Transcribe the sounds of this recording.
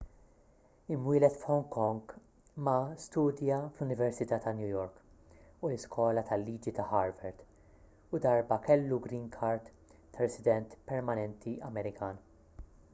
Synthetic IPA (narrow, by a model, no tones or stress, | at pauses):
ɪmwɪːlɛt̪fħɔŋkɔŋɡ | mɐst̪uːd̪jɐflʊnɪvɛɾsɪt̪ɐːt̪ɐnjujɔɾk | ulɪskɔːlɐt̪ʰɐlːiːd͡ʒit̪ɐħɐɾvɛɾt̪ | ʊd̪ɐɾbɐkɛlːuɡɾiːnkʰɐɾt̪ː | ɐɾɛsɪd̪ɛnt̪pɛɾmɐnɛnt̪ʰiɐmɛɾɪkʰɐːn